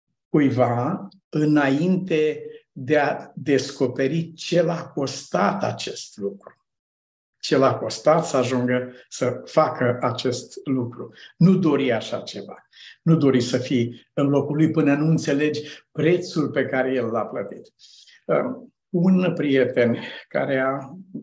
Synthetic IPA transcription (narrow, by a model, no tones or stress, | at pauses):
kujva | ɨnaint̪e̞d̪e̞ad̪e̞sko̞pe̞ɾit͡ʃe̞lako̞st̪at̪a̰t͡ʃe̞st̪lukɾu | t͡ʃe̞lako̞st̪at̪səaʒuŋɡəsəfakʰəat͡ʃe̞st̪lukɾunud̪o̞ɾiaʃat͡ʃe̞va | nud̪o̞ɾisəfiɨnlo̞kulujpɨnənuɨnt̪se̞le̞d͡ʒʲpɾe̞t̪sulpe̞kaɾe̞je̞lːaplət̪it̪ | ə | unpɾije̞t̪e̞nka̰ɾea